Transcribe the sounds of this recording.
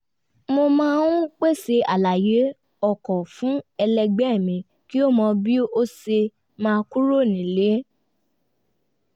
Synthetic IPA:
mo˧mãː˦nũ˦k͡pe˦˨se˧a˨la˨je˨˦ | ɔ˦˨kɔ˨fũ˦ɛ˧lɛ˧ɡ͡bɛ˦˨mĩ˨˧ | ki˦o˦mɔ̃˧bi˦o˦se˧ | mãː˧ku˦ɾo˦˨nĩ˨le˨˦

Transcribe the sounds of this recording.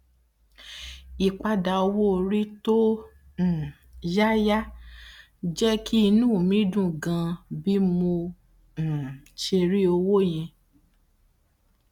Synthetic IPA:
i˨k͡pa˧da˨o˧wo˦˧ɾi˦tõ˦˨ | ja˦ja˦ | d͡ʒɛ˦ki˦i˧nũː˦˨mĩ˨˦dũ˦˨ɡã˧bi˦mõ˧˨ | ʃe˧ɾi˦o˧wo˦j̃ɛ̃˧

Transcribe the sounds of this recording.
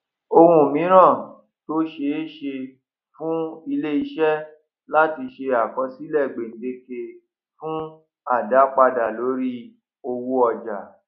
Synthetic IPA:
o˧hũ˦˨mĩ˨˦ɾ̃ã˦˨ | to˦ʃe˧˦ʃe˧ | fũ˦i˧le˦i˧ʃɛ˦ | la˦ti˧ʃe˧a˨kɔ˧˦si˦lɛ˦˨ɡ͡be˨n̩˨˦de˧˦ke˧ | fũ˦ | a˦˨da˨˦k͡pa˧da˨lo˨˦ɾi˦ | o˧wu˦ɔ˧d͡ʒa̰˨

